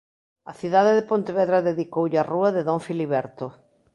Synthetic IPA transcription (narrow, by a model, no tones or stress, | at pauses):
ɐθiðaðeðɪpõnt̪eβɛðɾɐðeðikowʎaruɐðeðoɱfiliβɛɾt̪ʊ